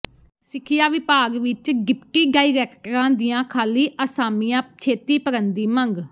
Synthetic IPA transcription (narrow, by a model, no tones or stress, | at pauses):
sɪkʰɪjaːʋɪpaːɡʋɪt͡ʃɡɪpkiːɖaːiːɾɛːkʈəɾãːd̪ɪjãːkʰaːliːʔəsaːmijãːt͡ʃʰeːt̪iːpəɾənd̪iːməŋɡ